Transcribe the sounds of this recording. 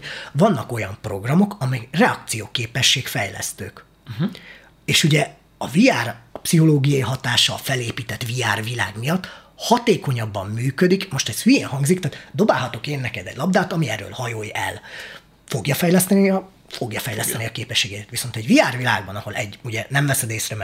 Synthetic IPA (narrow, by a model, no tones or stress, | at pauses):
vɒnːɒko̞jɒmpro̞ɡrɒmo̞kɒmɛjrɛɒkt̪sijoːkeːpɛʃːeːkfɛjlɛ̰st̪ø̰ːk | eːʃuɟɛ | ɒviaːrpsiɦo̞loːɡijɒiɦɒt̪aːʃɒ̰fɛleːpiːt̪ɛt̪viaːrvila̰ːɡmijɒt̪ː | hɒt̪eːko̞ɲɒbːɒmːyːkød̪ikmo̞ʃt̪ɛshyjeːnɦɒŋɡzikt̪aːt̪d̪o̞baːlɦɒt̪o̞keːnːɛkɛd̪ɛ̰ɟʲlɒb̚d̪aːt̪ɒmiɛɾø̰ːlhɒjoːjɛ̰l | fo̞ɡjɒfɛjlɛst̪ɛniɒ | fo̞ɡjɒfɛjlɛst̪ɛniɒkeːpɛʃːeːɡɛt̪ɛt̪ʋiso̞nt̪ɛɟviaːrvila̰ːɡbɒnɒho̞lɛɟːuɟɛnɛmlɛsɛd̪eːsrɛmɛ